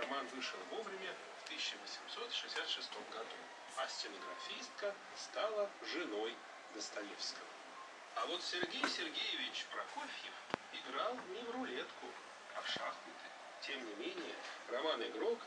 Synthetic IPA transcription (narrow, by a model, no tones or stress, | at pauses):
ɐmanvɨʂəlˠvo̞vɾʲɪmʲə | ft̪ɨsʲɪɕːəvəsʲɪmso̞t̪ʂɨɪsʲat̪ʂɨst̪o̞mɡɐd̪u | ɐsʲtʲɪnəɡɾɐfʲist̪̚kə | st̪alˠəʐɨno̞j | d̪əst̪ɐlʲifskəvə | ɐvo̞t̪sʲɪrɡʲejsʲɪrɡʲejɪvʲɪt͡ɕpɾɐkofʲjɪfɪɡɾalˠnʲɪvrʊlʲet̪kʊ | ɐfʂaxnʊt̪ɨj | tʲe̞mnʲɪmʲenʲɪjərɐmanɨɡɾo̞k